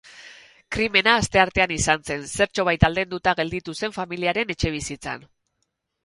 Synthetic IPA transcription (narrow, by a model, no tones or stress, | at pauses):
kɾime̞naːst̪e̞aɾt̪e̞anisanse̞nse̞ɾt͡ʃo̞β̞ajt̪ald̪e̞nd̪ut̪aɣe̞ld̪it̪use̞ɱfamiliaɾe̞ne̞t͡ʃe̞β̞isit͡sa̰n